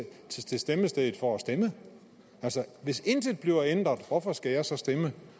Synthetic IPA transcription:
t͡sʰet͡sʰe̝sd̥eməsd̥eðˠð̩ˠfɒːsd̥emə | ælsɒʋe̝se̝nd̥el̚ˠb̥liʊɐend̥ʁɐðˠʋɒfɒ̽sɡ̥æjɑ̈ɪsɒ̽sd̥emə

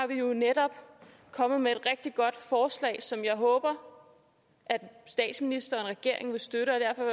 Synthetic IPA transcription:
ɑ̈ʋijo̝neɾɒ̽b̥ | kʰɒ̽mð̩ˠmee̝d̥ʁeɡ̥̚d̥iɡ̥ɒ̽d̥fɒːslɛ̰ːɪsɒ̽mjɑ̈ɪɦɔ̽ːb̥ɐ | ʔæd̥sd̥ɛ̰ːd̥sminisd̥ɐɒ̽e̝nʁaɡ̥e̝ɐ̰e̝ŋʋe̝lsd̥øɾəɒ̽d̥æɐ̰fɒ̽

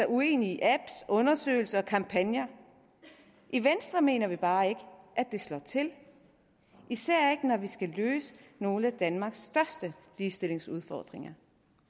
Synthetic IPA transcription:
ɐue̝̰ːniəʔæb̥sʔɔ̽nɐsø̰ːɪlsɐɒ̽kʰɑ̈mpʰænjɐ | ʔiʋensd̥ʁɐme̝̰ːnɐʋib̥ɑ̈ːe̝ɡ̥əʔæd̥e̝slɒ̰ːt͡sʰe̝l | ʔisæɐ̰e̝ɡ̥ənɒʋisɡ̥æløːsəno̝ːləæd̥ænmɑ̈ːɡ̥sd̥ɶɐsd̥əliːsd̥e̝le̝ŋsuð̞ˠfɒ̰ːd̥ʁeŋɐ

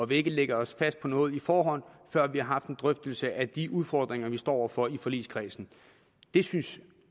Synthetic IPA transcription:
ɒ̽ʋie̝ɡ̥əleɡ̥ɐɒ̽sfæsd̥̚pʰɒ̽nɔ̽ːð̞̩ˠifɒːɦɒ̽n̰fɶɐ̰ʋihɑ̈ɦɑ̈fd̥end̥ʁœfd̥əl̩səʔæd̥iʔuð̞ˠfɒːd̥ʁeŋɐʋisd̥ɒ̰ːɒʊɐfɒ̽ifɒ̽lḭːskʰʁiːsn̩ | d̥e̝syns

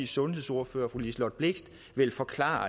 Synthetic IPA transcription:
sɔ̽nhe̝so̝ɐføːɐfʁulislɒd̥̚b̥le̝ɡ̥sd̥ | ʋelfɒ̽kʰlɑ̰̈ː

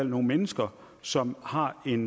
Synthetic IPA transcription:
æl̰no̝ːn̩menəsɡ̥ɐ | sɒ̽mhɑ̈e̝n

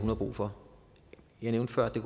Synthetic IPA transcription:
hunɐb̥ʁṵːfɒ̽ | jɑneʊnd̥fɶɐ̰d̥e̝kʰu

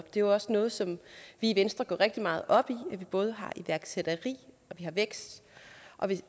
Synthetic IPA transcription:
b̥d̥e̝joɒ̽sənɔ̽ːð̞̩ˠsɒ̽mʋiːʋensd̥ʁɐɡ̥ɒ̰ʁeɡ̥̚d̥imɑ̈ːð̞̩ˠʔɒ̽b̥iæʋib̥ɔ̽ːð̞ˠəɦɑ̈ʔiʋæɐɡ̥sed̥ɐʁḭː | ɒ̽ʋiɦɑ̈ʋeɡ̥sd̥ʔɒ̽ʋi

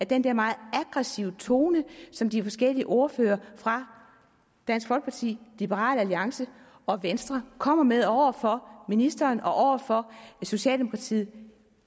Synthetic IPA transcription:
æd̥end̥eɐmɑ̈ːð̩ˠæɡ̥ʁasiʊət͡sʰo̝ːnəsɒ̽md̥ifɒ̽sɡ̥el̰iəʔo̝ɐfø̰ːɐfʁɑ̈ | d̥æn̰sɡ̥fɒ̽lɡ̥pʰɑ̈t͡sʰḭːlib̥eʁɑ̰̈ːlæliɑ̈ŋsə | ɒ̽ʋensd̥ʁɐkʰɒ̽m̰ɐmeð̞ˠɒʊ̰ɐfɒ̽minisd̥ɐːnʔɒ̽ʔɒʊ̰ɐfɒ̽so̝ɕɛ̰ːld̥emokʰɑ̈t͡sʰḭːð̩ˠ

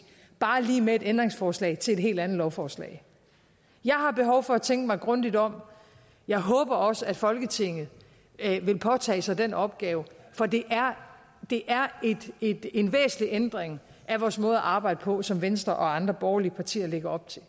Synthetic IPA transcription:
b̥ɑ̈ːliːmee̝dend̥ʁeŋsfɒːslɛ̰ːɪt͡sʰe̝le̝d̥e̝̰ːld̥ænð̩ˠlɒʊfɒːslɛ̰ːɪ | jɑ̈ɪhɑ̈b̥e̝ɦɒʊfɒ̽æt͡sʰeŋɡ̥əmɑ̈ɪɡ̥ʁɔ̽nd̥id̥ɒ̽m̰ | jɑ̈ɪɦɔːb̥ɐɒ̽səæd̥fɒ̽lɡ̥ət͡sʰe̝ŋ̰ð̩ˠ | ʋe̝lpʰɒ̽t͡sʰɛ̰ːsɑ̈ɪd̥en̰ɒ̽b̥̚ɡ̥ɛːʊfɒ̽de̝ʔæɐ | d̥e̝ʔæɐe̝d̥ede̝nʋḛːsn̩liʔend̥ʁeŋ | ʔæʋɒːsmɔ̽ːð̞̩ˠæʔɑ̈ːb̥ɑ̈ɪdəpʰɒ̽sɒ̽mʋensd̥ʁɐʔɒ̽ɑ̈nd̥ʁɐb̥ɒːɐliəpʰɑ̈t͡sʰḭːɐleɡ̥ɐɒ̽b̥̚t͡sʰe̝l

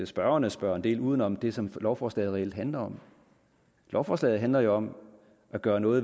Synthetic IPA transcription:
sb̥ɶɐɐnəsb̥ɶɐend̥e̝̰ːluːð̞ˠən̩ɒ̽md̥e̝sɒ̽mlɒʊfɒːslɛ̰ːð̩ˠʁɛel̰d̥ɦænlɐɒ̽m | lɒʊfɒ̰ːslɛ̰ːð̞̩ˠɦænlɐjo̝ɒ̽m | ʔæɡ̥ɶːɐnɔ̽ːð̩ˠ

